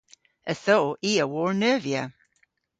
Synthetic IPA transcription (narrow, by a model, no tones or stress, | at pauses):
ʔəθoʔiːəwɔɹnɜːviə